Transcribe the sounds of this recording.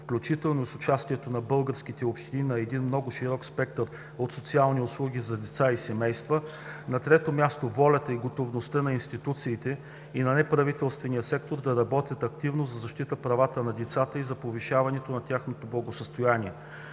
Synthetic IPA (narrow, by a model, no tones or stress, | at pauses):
fklʲut͡ʃit̪ɛlˠnoisʊt͡ʃast̪iɛt̪onɐbɤlˠɡəɾsk̟it̪ɛopʃt̪ininɐɛd̪inmnɔɡʊʃiɾɔkspɛk̚t̪əɾ | ot̪sot̪sialˠniʊslˠuɡʲizɐd̪ɛt̪saisɛmɛjst̪və | nɐt̪ɾɛt̪omʲjast̪ovɔlʲɐt̪əiɡot̪ovnost̪ənɐinst̪it̪ut̪siːt̪ɛ | inɐnɛpɾɐvit̪ɛlˠst̪vɛnijəsɛk̚t̪oɾd̪ɐɾɐbɔt̪ʲət̪ɐkt̪ivnozɐzɐʃt̪it̪əpɾɐvat̪ənɐd̪ɛt̪sat̪əizɐpoviʃavɐnɛt̪onɐt̪ʲaxnot̪oblˠɐɡosəst̪ojaniɛ